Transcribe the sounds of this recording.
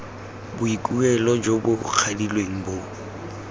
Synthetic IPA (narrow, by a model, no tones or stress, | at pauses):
bʊikʼuɛlɔd͡ʒobʊk͡xʰadilweŋ̩bo